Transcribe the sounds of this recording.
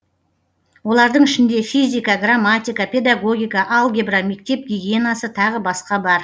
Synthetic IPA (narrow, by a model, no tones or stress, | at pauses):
wo̞lˠɑɾd̪əɴɪʃɪnd̪e̞fizʲijkɑɡramːat̪ijkɑpʲʰe̞d̪aɡo̞ɡʲijkɑʔɑlˠɡʲebrame̞k̚t̪e̞p̚ɡʲiɡʲienasət̪ʰɑʁəbɑsqɑbɑɾ